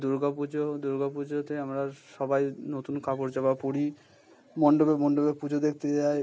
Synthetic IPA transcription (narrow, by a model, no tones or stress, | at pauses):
d̪uɾɡapud͡ʑod̪uɾɡapud͡ʑot̪eamɾaʃɔbajnot̪unkapoɾd͡ʑabapoɽi | mɔɳɖobemɔɳɖobeɾpud͡ʑʱod̪ek̚ʰt̪et͡ɕae